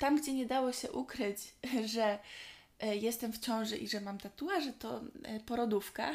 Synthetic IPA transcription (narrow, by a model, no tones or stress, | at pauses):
t̪amɡd͡ʑɛɲɛd̪awɔɕɛ̰ʔukɾɘt͡ɕʐɛ | jɛst̪ɛmft͡ɕɔ̃w̃ʐɛʔiʐɛmamt̪at̪uwaʐɛt̪ɔpɔɾɔd̪ufka̰